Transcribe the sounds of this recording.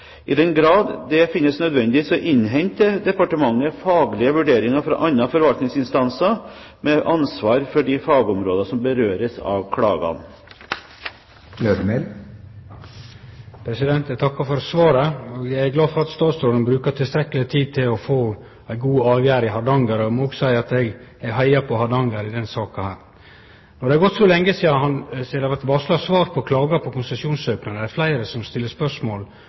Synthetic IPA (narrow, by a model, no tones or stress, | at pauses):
ʔɪd̪ɛnɡɾɑːd̪d̪ɛfɪnːəsnœd̪ʋɛnd̪ɪʋiːsɔʔɪnːɦɛnt̪əd̪ɛpɑʈəmɑŋːəfɑːɡlɪəʋʉɖeːɾɪŋɑfɾɑ̰ʔɑnːɑfɔɾʋɑlt̪nɪŋsɪnst̪ɑnsɑ | mɛʔɑnsʋɑːɾfɔɖɪfɑːɡəɔmɾoːd̪ɑsɔmbəɾøːɾəsɑ̰ʋkʰɽɑ̰ːɡɑ̰n | løːd̪mel | pʰɾɛsɪd̪ɛnt̪æt̪ʰɑkːɑfɔɾsʋɑːɾəoɡjæɪæɡlɑːd̪fɔɾɑt̪st̪ɑːt̪sɾoːd̪ənbɾʉːkɑt̪ʰɪlst̪ɾɛkːəlɪt̪ʰiːd̪̚t̪ʰɪlɔfoː | æɪɡuːɑːʋjæːɾɪhɑɖ̪ɑŋɡəɾɔmɔoːɡsæɪɾɑt̪ɛɡæɡɦæɪɑpʰɔhɑd̪ɑŋɡəɾɪd̪ɛnsɑːkɑhæːɾ | nɔɖɛæɾɡɔt̪sɔlɛŋːəsiːɑhɑnsiːd̪ɛʋæt̪ʋɑslɑsʋɑːɾpʰɔkʰlɑːɡɑpʰɔkʰʊnsɛsɪuːnsøːknɑnəæɾflæɪɾəsɔmst̪ɪlːəspœʂmoːl